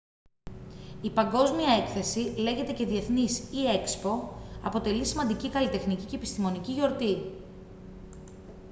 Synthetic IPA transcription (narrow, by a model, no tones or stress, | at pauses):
ipɐŋɡo̞zmiɐe̞kθe̞sile̞ɣe̞t̪e̞ce̞ðie̞θnisie̞kspo̞ɐ̰po̞t̪e̞lisimɐnd̪icikɐlit̪e̞xnicice̞ːpi̥st̪imo̞niciʝo̞ɾt̪i